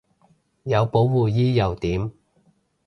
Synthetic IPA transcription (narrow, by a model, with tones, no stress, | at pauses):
jɐ˨˧wpo˨˥wwuː˨jiː˥jɐ˨wt̪iː˨˥m